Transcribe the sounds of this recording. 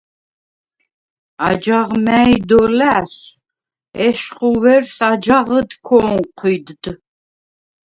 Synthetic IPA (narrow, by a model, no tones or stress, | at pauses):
ad͡ʒaʁmæjd̪ɔlæːs | ɛʃχuwɛɾsad͡ʒaʁəd̪kʰɔŋqʰid̪d̪